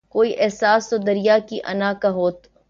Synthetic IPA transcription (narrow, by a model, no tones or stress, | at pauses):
koːiʔɛɦsaːst̪od̪ɐɾijakiʔɐ̰nakaɦoːt̪